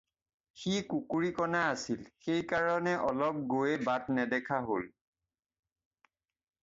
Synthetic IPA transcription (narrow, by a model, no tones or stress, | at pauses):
xikukuɹikɔnaːsilxejkaɹɔnɛʔɔlɔp̚ɡojɛbatnɛdɛkʰaɦol